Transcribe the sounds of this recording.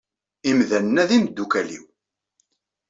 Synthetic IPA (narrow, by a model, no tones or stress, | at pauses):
imðænːæðimd̪ːukælḭw